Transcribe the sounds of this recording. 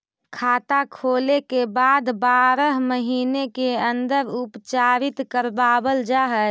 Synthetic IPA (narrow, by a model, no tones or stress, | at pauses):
kʰaːt̪akʰoːlekebaːd̪baːɾəɦməɦiːnekeə̃nd̪əɾʊpt͡ʃaːɾɪt̪kəɾbaːbəld͡ʒaːɦə